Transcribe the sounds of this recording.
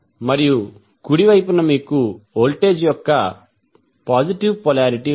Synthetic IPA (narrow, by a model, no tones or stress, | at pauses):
mɐɾiju | kuɽiʋɐjp̬unːɐmiːkuoːlʈe̞ːd͡ʒjɔkːɐ | paːd͡ʒiʈiʋpɔlaːɾiʈi